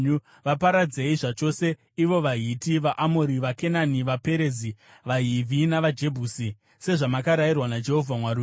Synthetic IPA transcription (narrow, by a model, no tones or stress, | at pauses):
u | ʋapaɾad͡zeiʐat͡ʃo̞se̞ | iʋo̞ʋaɦitiʋaʔamoɾiʋake̞naniʋape̞ɾe̞zi | ʋaɦivʱinaʋad͡ʒe̞bʱuːsi | se̞ʐamakaɾairwanad͡ʒe̞ɦo̞vʱamwaɾu